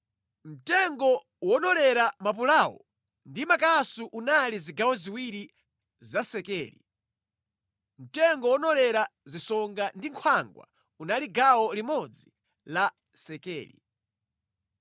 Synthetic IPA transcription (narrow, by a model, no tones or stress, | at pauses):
m̩tɛŋɡɔ | wɔnɔlɛɾamap̬ulawɔ̰ | ndimakasuʔunaliziɡawɔziwiɾi | zasɛkɛ̰ːlḭ | m̩tɛŋɡɔwɔnɔlɛɾazisɔŋɡandiŋkʰwaŋɡwa̰ | unaliɡawɔlimɔd͡zi | la | sɛkɛ̰ːlḭ